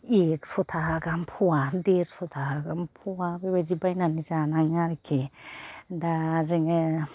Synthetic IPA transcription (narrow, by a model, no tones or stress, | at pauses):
eksotʰaɦaɡampʰuadeɾsotʰaɦaɡampʰuabebad͡ʒibajnanizanaŋaɾikʰe | dazeŋe